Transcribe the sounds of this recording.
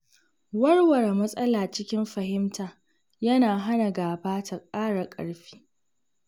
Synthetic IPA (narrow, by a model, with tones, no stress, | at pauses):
wɐ˦ɽwɐ˨ɽmɐ˦sʼɐ˦laː˨t͡ʃɪ˦kʲɪ˦mɸɐ˨ɦɪ˦mtaː˨ | jɐ˦naː˨ɦa˦na˨ɡaː˨baː˦tʰa˨kʼaː˦ɽa˨kʼɐ̰˨ɽɸi̥ː˦